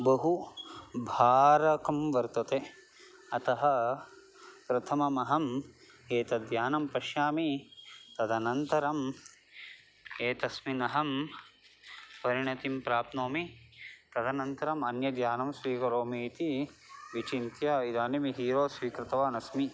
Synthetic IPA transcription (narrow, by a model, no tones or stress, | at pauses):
bɐɦu | bʱaːɾɐkɐmʋɐɾt̪ɐt̪eː | ɐt̪ɐɦɐ | pɾɐt̪ʰɐmɐmɐɦɐm | eːt̪ɐd̪jaːnɐmpɐʃjaːmit̪ɐd̪ʱɐnɐnt̪ɐɾɐm | eːt̪ɐsminɐɦɐm | pɐɾiɳɐt̪impɾaːpnoːmit̪ɐd̪ɐnɐnt̪ɐɾɐmɐnjɐd̪jaːnɐmsʋiːkɐɾoːmit̪iʋit͡ʃint̪jaːid̪aːnimiɦiːɾoːsʋiːkɾɪt̪ɐʋaːnɐsmi